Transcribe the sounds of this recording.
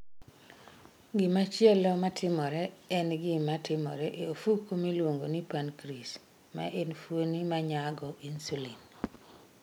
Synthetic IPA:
ɡɪmat͡ʃjɛlɔmatʰɪmɔɾɛɛnɡɪmatʰɪmɔ̰ɾɛʔeofukomilwoŋɡonipankɾis | ma̰ʔenfwonimaɲaɡɔʔinsulin

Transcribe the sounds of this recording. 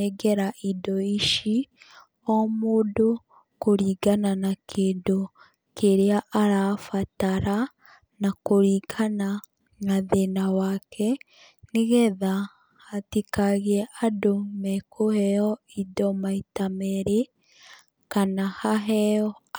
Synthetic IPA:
eɡɛɾaʔidɔiʃi | omudo | koɾiɡananakʰeːndo | keɾeaʔaɾafataɾa | nakoɾikʰana | naðenawakʰɛ | niɣɛðaː | tikaɣiɛʔadomɛkʰohɛɔidɔmaitamɛɾe | kanahaɦɛɔ

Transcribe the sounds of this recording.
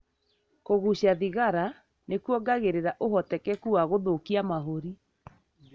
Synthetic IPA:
koɣuɕaðiɣaɾa | nekwɔɡaɣeɾeɾaʔoɦɔtɛkɛkuaɣoðokiamaɦoɾi

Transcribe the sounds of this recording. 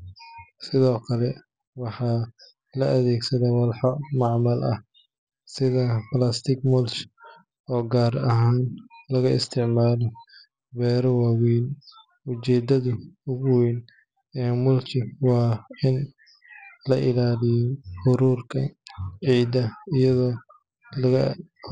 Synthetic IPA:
sɪðɔːkʰɐlɛ | wɑħɑː | lɐɐðɛːɡsɐðɛwɐlħɔmɑʕmɐlʔɐ̰h | sɪðɐplast̪ʰɪɡmʊlt͡ʃ | ɔːɡaːrɐɦaːnlɐɣɐɪst̪ʰɪʕmaːlɔ | bɛːɾɐwɑːwiːn | ʊt͡ʃɛːd̪ɐðʊʊɣʊwiːn | ɛːmʊlt͡ʃɪwɑːɪn | lɐʔɪlaːlɪjɔhʊɾuːrkʰɐʕiːd̪ɐijɐðɔː | lɐɣɐ

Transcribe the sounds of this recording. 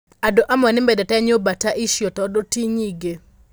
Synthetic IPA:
adoʔamanɪmbedɛtɛɲobataʔiʃjotɔdotiɲiɡe

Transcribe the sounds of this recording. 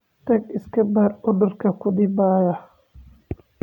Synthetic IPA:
t̪ɐɡɪskʰɐbɐrʊd̪ʊrkʰɐkʰʊd̪ɪbaːjɐ

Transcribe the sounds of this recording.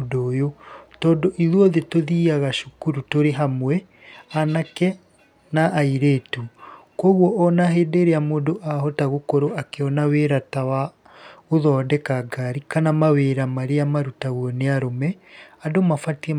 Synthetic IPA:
doːjotɔːdoʔiðwɔðetoðiaɣaʃukuɾutoɾeɦamwɛ | anakɛ | naʔːiɾeːtukwɔɣwɔʔːnaɦeːdeɾeamoːdoʔaɦɔtaɣokoɾoakeɔnaweɾatawa | oðɔːdɛkaɡaɾikanamaweɾamaɾeamaɾutaɣwɔneaɾomɛadomafatiɛ

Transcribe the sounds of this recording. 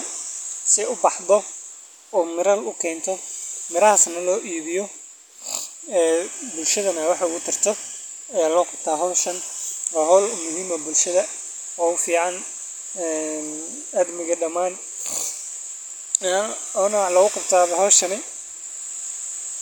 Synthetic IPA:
sɪʊbɑħðɔ | ɔːmɪɾɐlʊkʰɛːnt̪ʰɔmɪɾɐhasnɐlɔːʔiːβɪjɔ | ɛːbʊlʃɐðɐnɐwɑħʊɣʊt̪ʰɪrt̪ʰɔ | ɐjaːlɔːqɑb̥̚t̪ʰaːɦɔːʃɐnwaːɦɔːlmʊɦiːmɐbʊlʃɐðɐ | ɔːʊfiːʕɑn | ɛn | ɐd̪mɪɣɐɖɐmaːn | ɔːnɐlɐɣʊqɑb̚t̪ʰaːβɦɔːʃɐnɪ

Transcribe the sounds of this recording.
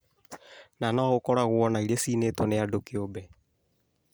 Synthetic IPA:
nanɔɣokɔɾaɣoɔnaiɾesiːneːtɔnejadokeobɛ

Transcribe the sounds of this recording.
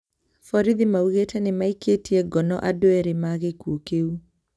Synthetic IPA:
fɔɾiðimauɣetanemaiketiɛɡɔnɔʔadoɛɾemaɣekuokeu

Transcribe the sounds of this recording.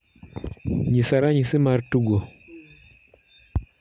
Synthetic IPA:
ɲisaɾaɲisimaɾtuɡɔ

